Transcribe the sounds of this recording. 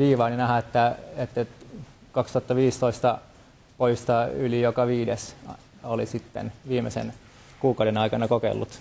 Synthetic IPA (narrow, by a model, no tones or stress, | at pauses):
ʋiːʋɑːninæhæet̪ːæet̪ː | kɑkst̪uhɑt̪ːɑʋiːst̪oist̪ɑ | poist̪ɑylijokɑʋiːdes | olisit̪ːḛnʋiːmḛsḛn | kuːkɑuwdenɑikɑnɑkokḛlːut̪